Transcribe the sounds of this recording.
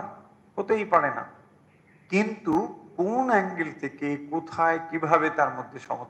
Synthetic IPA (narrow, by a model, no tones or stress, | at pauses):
hot̪ejpaɽena̰ | kint̪ukunɛŋɡelt̪ʰekekot̪ʰaekibʱabet̪aɾmod̪ʱːeʃɔ̰ŋot̪ʰː